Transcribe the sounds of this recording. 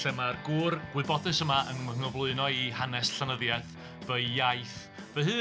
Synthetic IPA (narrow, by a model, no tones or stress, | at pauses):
ɛmarɡuːrɡ̥wɨðbɔdɨsəmaənəŋɔvlˠʊɨnɔihanɛsɬanəðjaθ | vəjjajθ | vəhɨː